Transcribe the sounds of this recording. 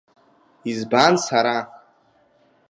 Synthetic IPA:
izbansaɾa

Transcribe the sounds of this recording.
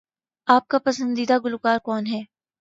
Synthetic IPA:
aːp̚kapɐsə̃nd̪iːd̪aɡʊlʊkaːɾkɔːnɦɛː

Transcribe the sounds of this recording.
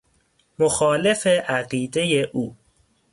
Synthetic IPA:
moxɒːle̞fe̞ʔæɢiːd̪e̞je̞ʔuː

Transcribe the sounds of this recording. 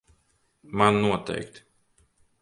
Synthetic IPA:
mannuɔt̪ɛ̰jkt̪

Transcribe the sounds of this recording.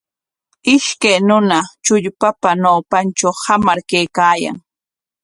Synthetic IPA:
ɪʃkajnʊnat͡ʃʊʎpapanawpant͡ʃawhamaɾkajkaːja̰ŋ

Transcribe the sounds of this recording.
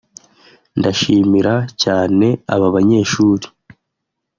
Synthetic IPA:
ndaʃiːmiɾacaːne̞aβaβaɲe̞ːʃuːɾi

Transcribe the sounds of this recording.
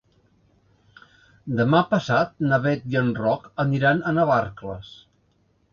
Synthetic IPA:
d̪əmapəsat̪̚nəβɛt̪jənrɔkəniɾanənəβarkləs

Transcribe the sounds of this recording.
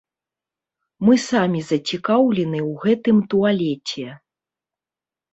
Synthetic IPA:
mɨsamʲizɐt͡sʲikawlʲɛnɨwɣɛt̪ɨmt̪ualʲɛt͡sʲɛ

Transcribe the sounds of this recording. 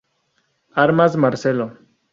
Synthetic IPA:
aɾmazmaɾselo

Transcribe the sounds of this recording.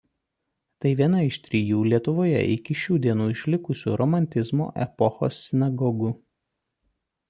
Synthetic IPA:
t̪ɐɪʋʲiɛnɐɪʃt̪ʲɾʲijuːlʲiɛt̪ʊʋoːjɛ̰ʔɪkʲɪʃʲuːd̪ʲiɛnuːɪʃʲlʲɪkʊsʲṵːɾɔmɐnʲt̪ʲɪzmo̰ːʔɛ̰pɔxo̰ːsːʲɪnɐɡɔɡʊ

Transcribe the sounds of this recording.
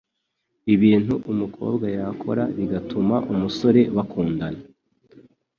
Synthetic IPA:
iβiːn̥huʔumukʰo̞̰ːbɡajakʰo̞̰ɾaβiɡatumaʔumuso̞ɾe̞βakʰuːndana

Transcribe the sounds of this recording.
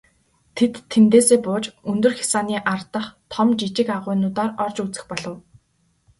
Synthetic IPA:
t̪ʰet̪ʰːent̪eːseːpʊːt͡ɕɵnt̪ɵ̆rxʲi̥saːniːʔart̪ə̆χt̪ʰɔmt͡ɕit͡ɕɪ̆kaʁʊːnʊːt̪aːrɔrt͡ɕut͡sɘ̆xpɔɮɞ̆w

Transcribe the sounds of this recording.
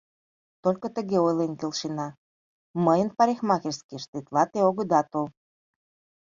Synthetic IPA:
t̪olʲkot̪əɣeojlenkelʃinɑ | məjənpɑɾʲexmɑkeʃskeʃt̪et̪lɑt̪eoɣəd̪ɑt̪ol

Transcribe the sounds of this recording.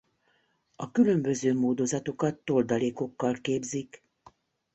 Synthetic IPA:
ɒkylø̞mbø̞zøːmoːd̪o̞zɒt̪o̞kɒt̪ːo̞ld̪ɒleːko̞kːɒlkeːbzik

